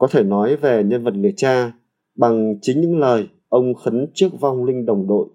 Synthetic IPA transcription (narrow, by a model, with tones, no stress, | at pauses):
kɔ˨˦t̪ʰe˧˩nɔ˨˦jve˨˩ɲə˧nvə˨˩t̚li˧˩ət͡ɕaː˧ | ɓa˨˩ŋt͡ɕï˨˦ŋ̟ɲɨ̰˧˥ŋləː˨˩j | ʔə˧wŋ͡mxə˨˦nt͡ɕɨ˦˥ək̚va˧wŋ͡mlï˧ŋ̟ɗə˨˩wŋ͡mɗo̰˧˨j